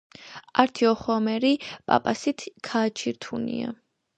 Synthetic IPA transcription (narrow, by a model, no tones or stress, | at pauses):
aɾt̪ʰiɔχɔmɛɾipʼa̰pʼasit̪ʰkʰaːt͡ʃʰiɾt̪ʰunḭa̰